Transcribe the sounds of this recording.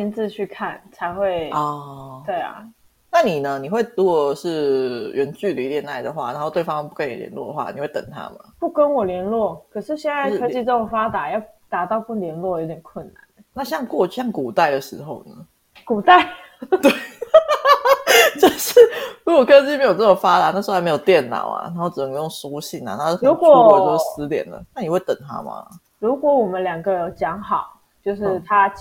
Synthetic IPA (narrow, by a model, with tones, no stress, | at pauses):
i˧˥nt͡sɹ̩˥˧t͡ɕʰy˥˧kʰa˥˩nt͡sʰa˧˥ɪxwe˥˩ɪɔ˧t̪we˥˩ɪɐ̰˩ | na˥˨ni˨˩nə˦ni˨˩xwe˥˩ɪɻu˧˥kɔ˨˩ʂɻ̩˥˩ɥɛ˧˦nt͡ɕy˥˩d̪ə˨i˥t̪jɛ˨˦na˥˩ɪd̪ə˩xwa̰˥˩na˧˥nxo˥˧ʊt̪we˥˩ɑ˦ŋpu˥˩kə˦njljɛ̰˧˦nlwɔ̰˥˩də˩xwa̰˥˩ni˨˩we˥˩ɪt̪ə̰˨˩ŋt̪ʰa̰˥ma̰˨˩pu˥˩kə˦˥nwɔ˨˩ljɛ˧˥nlwɔ˥˩kʰɤ˨˩ʂɻ̩˥˧ɕjɛ˥˧nt͡sa˥˩ɪɤ˥t͡ɕi˥˧ʈ͡ʂə˥˩o˨˩ŋfa˥t̪a˨˩jɑ˥˩ʊt̪a˨˩t̪ɑ˥˧ʊpu˥˩ljɛ˧˥nlwɔ˥˩jo˧˥ʊt̪ʰjɛ˨˩nkʰwə˥˩nna˧˦n | na˥˧ɕjɑ˥˧ŋkwɔ˥˧˥jɑ˥˩ŋku˨˩t̪a˥˩ɪd̪ə˩ʂɻ̩˧˦xo˥˩ʊnə˩ | ku˨˩t̪a˥˩ɪ | t̪we˥˩ɪ | t͡ɕjo˥˧ʊʂ̩˥˩ɻu˧˥kwɔ˨˩kʰɤ˥t͡ɕi˥me˧˥jt͡sɤ˥˩o˨˩fa˦˥t̪a˨˦na˥˩ʂ̩˧˥˧m˧˥jo˨˩t̪jɛ˥˩nnɑ̰˨˩ʊa̰˨˩na˧˥o˥˩ʈ͡ʂ̩˨˩nə˧˦ŋɡə˧˦jo˥˩ŋsu˥ɕi˥˩na̰˨˩na˥˩kɻu˧˥˦kwɔ˨˩˥ɔ˥˩t̪o˥˩sɻ̩˧˦t̪jɛ̰˨˩nd̪ə̰˩na˥˩ni˨˩we˥˩ɪt̪ə̰˨˩ŋt̪ʰa̰˥ma̰˩ | ɻu˧˥kwɔ˧˥wɔ˨˩mə˦nljɑ˨˩ŋɡə˦jo˨˩˥ʊt͡ɕjɑ˧˥ŋxɑ˨˩ʊ | t͡ɕjo˥˧ʊʂɻ̩˥˩t̪ʰa˥